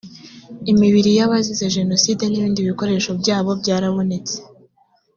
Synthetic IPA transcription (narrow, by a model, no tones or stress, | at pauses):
imiβiɾijaβazizeʒe̞no̞siːde̞niβiːndiβiko̞ɾe̞ːʃobɟaːβo̞bɟaːɾaβo̞ne̞t͡se̥